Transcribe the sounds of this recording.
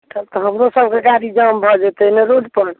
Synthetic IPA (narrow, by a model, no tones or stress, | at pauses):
t̪ət̪ɔɦəmɾosəb̚ʱkekaɾid͡ʒəmbʱɔd͡ʒet̪eneɾoɖpəɽ